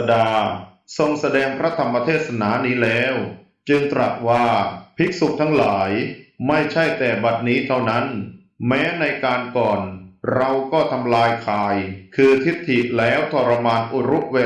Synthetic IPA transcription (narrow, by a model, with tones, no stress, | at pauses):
daː˧ | so˧ŋsa˧dɛː˧ŋpʰɾa˦˥t̪ʰa˧mːa˧t̪ʰeː˥˩t̪̚sa˧naː˩˦niː˦˥lɛː˦˥w | t͡ɕɯ˧ŋt̪ɾa˨˩t̪̚waː˥˩pʰi˦˥k̚su˨˩k̚t̪ʰa˦˥ŋlaː˩˦jma˥˩jt͡ɕʰa˥˩jt̪ɛː˨˩ba˨˩t̪̚niː˦˥t̪ʰa˥˩wna˦˥n | mɛː˦˥na˧jkaː˧nkɔː˨˩nɾa˧wkɔː˥˩t̪ʰa˧mlaː˧jkʰaː˧˩jkʰɯː˧t̪ʰi˦˥t̪ʰːi˨˩ʔlɛː˦˥wt̪ʰɔː˧ɾa˧maː˧nʔu˨˩ɾu˦˥p̚we˧